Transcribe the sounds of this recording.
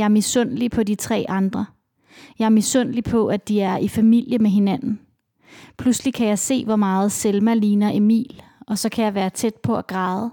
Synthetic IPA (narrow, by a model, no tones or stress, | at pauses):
jɑ̈misɔ̽n̰lipʰɒ̽dit͡sʰʁɛ̰ːʔɑ̈nd̥ʁɐ | jɑ̈ɪmisɔn̰lipʰɒ̽ʔæd̥iæɐifæmil̰jəmeɦe̝næn̰n̩ | pʰluslikʰæjɑ̈ɪse̝̰ːʋɒmɑ̈ːð̞̩ˠselmæliːnɐʔe̝mḭːl | ɒ̽sɒ̽kʰæjɑ̈ɪʋæːɐt͡sʰed̥̚pʰɒ̽æɡ̥ʁɑ̈ːðˠ